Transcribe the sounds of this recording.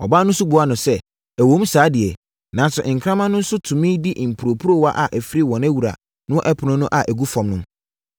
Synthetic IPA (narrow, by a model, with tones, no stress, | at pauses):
ɔ̰˨baː˦nʊ̃˦sʊ˦bʊ˨˦a˦nʊ̃˨sɛ˦ | æ˨wõ˨˦m˦saː˨˦dɪ˨ɛ˨ | nã˨˦sʊ˨ʔŋ̩˨kʰɾã˦mã˦nʊ̃˦n̩˦sʊ˦tʰũ˨mĩ˦di˦ʔm̩˨pʰu˨ɾo˨pʰu˦ɾo˦wa˦ʔa˨ʔæ˨fi˦ɾi˦wɔ̃˨næ˦wu˨ɾa̰˨ | nʊ̃˦ɔ̃˦ʔɛ˦pʰʊ˨nʊ̃˦nʊ̃˦ʔa˨ʔæ˨ɡu˦fɔ̃˨mnʊ̃˦m